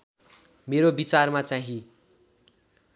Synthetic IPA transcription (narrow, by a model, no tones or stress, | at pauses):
meɾobit͡sarmat͡saɦĩ